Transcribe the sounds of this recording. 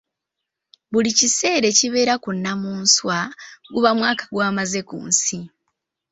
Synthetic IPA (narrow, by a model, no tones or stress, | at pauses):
βulicise̞ːɾe̞ciβe̞ːɾakunːamuːnswaɡuβamwaːkḁɡwaːmaze̞kṵːnsi